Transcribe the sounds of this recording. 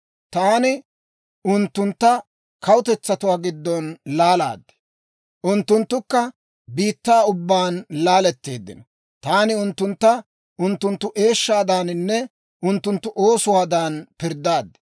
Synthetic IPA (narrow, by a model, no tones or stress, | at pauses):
t̪aːnɪ | ʊnt̪ːʊnt̪ːɐ | kʰɐwʊt̪ɛt͡sːɐt̪ʊwaːɡɪd̪ːɔnlaːla̰ːd̪ːɛ̥ | ʔʊnt̪ːʊnt̪ːʊkːɐ | biːt̪ːaːʊbːaːnlaːlɛt̪ːe̞ːd̪ːɪ̰nɔ | t̪aːnɪʊnt̪ːʊnt̪ːɐ | ʔʊnt̪ːʊnt̪ːʊʔe̞ːʃːaːd̪aːnnːɛ | ʔʊnt̪ːʊnt̪ːʊʔoːsʊwaːd̪aːnpɪɾd̪aːd̪ːɛ̥